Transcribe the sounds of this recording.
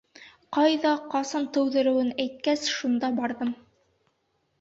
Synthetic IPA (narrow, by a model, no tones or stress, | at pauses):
qɑjðɑqɑsɑnt̪ɵ̆wðɘ̆ɾɘ̆wɘnæjt̪̚kæsʃund̪ɑbɑɾðɤm